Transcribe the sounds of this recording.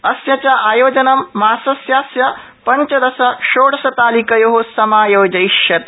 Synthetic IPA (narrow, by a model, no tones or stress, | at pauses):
ɐsjɐt͡ʃaʔaːjoːd͡ʒɐnɐmːaːsɐsjaːsjɐ | pɐɲt͡ʃɐd̪ɐsɐʃoːɽɐsɐt̪aːlikɐjoɦosɐmaːjoːd͡ʒɐjʃjɐt̪